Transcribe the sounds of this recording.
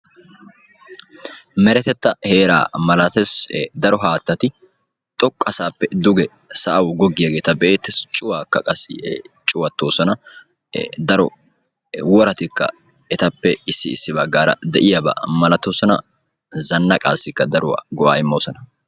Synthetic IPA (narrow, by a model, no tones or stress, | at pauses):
mɛɾɛt̪ɛt̪ːɐhe̞ːɾa̰ːmɐlɐt̪ɛsd̪ɐɾɔɦaːt̪ːɐt̪ɪ | t̪ʼɔkʼːɐsaːpːɛd̪ʊɡɛ | sɐʔɐwɡɔɡːɪjɐɡe̞ːt̪ɐbeːt̪ːɛst͡ʃʼʊwaːkːɐkʼɐsɪ̰t͡ʃʼʊwɐt̪ːo̞ːsɔnɐ | d̪ɐɾɔ | wɔɾɐt̪ɪkːɐ̰ | ɛt̪ɐpːɛɪsːɪ̰ɪsːɪbɐɡːaːɾɐ̰d̪ɛʔɪjɐbɐ̰mɐlɐt̪ːoːsɔnɐ̰ | zɐnːɐkʼa̰ːsːɪkːɐd̪ɐɾʊwa̰ɡɔʔaːɪmːoːsɐnɐ̥